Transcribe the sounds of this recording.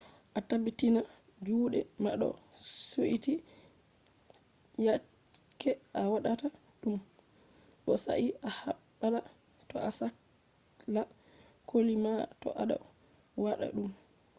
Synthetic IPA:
ʔatabitina | d͡ʒuːɗɛmaɗɔ̰suʔiti | ja | kːɛʔawaɗata | ɗum | ɓɔsa̰ʔiʔahaɓːala | tɔasak | la | kʰolimatɔ̰ʔaɗa̰ | waɗa̰ɗum

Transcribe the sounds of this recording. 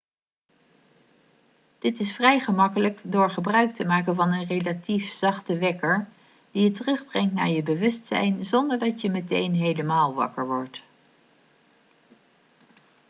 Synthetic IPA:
d̥ɪtɪsfrɛjχəmɑkələkdʊːɹχəbrœɥk̚təmaːkənvɑnənrelatifz̥ɑχtəʋɛkəɹ | d̥ijətərɵχbrɛŋtna̰ːɹjəbəʋɵstsɛ̰jnzɔndəɹdɑtjəmətḛjnɦejləmaːlˠʋɑ̰kəɹʋɔɹt

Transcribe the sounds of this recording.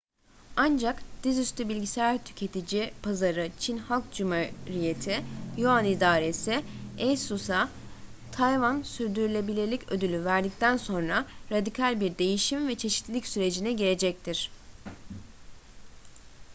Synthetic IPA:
and͡ʒakd̪̥izyst̪ʰybilʲɟisæɾt̪ʰy̥cʰe̞t̪ʰid͡ʒipʰazaɾɯt͡ʃʰinhalˠk̚d͡ʒumaɾije̞t̪ʰijuanid̪aːɾe̞siɛjsusa | t̪ʰajvansyɾd̪yɾylʲe̞bilʲelʲicʰød̪ylʲyvæɾd̪ic̚t̪ʰænso̞nɾaɾad̪ikʰalʲbiɾd̪e̞jiʃimvɛt͡ʃʰe̞ʃi̥t̪lʲicsyɾe̞d͡ʒinɛɟiɾe̞d͡ʒɛc̚t̪ʰiɾ̥

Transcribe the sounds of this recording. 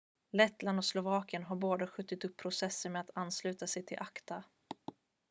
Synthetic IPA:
lɛt̪land̪ɔslʊvɑːkənɦaɾboːd̪aɧɵt̪ːɪt̪ɵpʰːɾʊsɛsːənmeːat̪ʰanːslʉ̟ːt̪asɛjt̪ʰɪlʔakt̪a

